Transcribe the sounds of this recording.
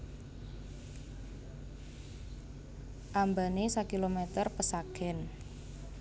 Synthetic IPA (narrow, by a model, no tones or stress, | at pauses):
ʔambanesakilomɛt̪ərpəsakɛn